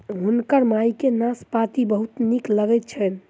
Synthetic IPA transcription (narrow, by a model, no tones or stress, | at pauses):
ɦunkəɾmajkenaspat̪ibəɦut̪nikləɡɛt̪̚t͡ʃʰən